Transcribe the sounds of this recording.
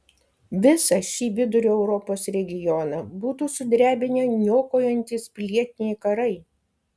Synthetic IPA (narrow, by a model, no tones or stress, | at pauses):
ʋʲɪsɐʃʲiːʋʲɪd̪ʊɾʲuːɛʊɾɔpoːsɾʲɛɡʲɪjɔnɐbuːt̪uːsʊd̪ʲɾʲæːbʲɪnʲenʲoːkoːjɛnʲt̪ʲiːspʲlʲiɛt̪ʲɪnʲɛɪkɐɾɐɪ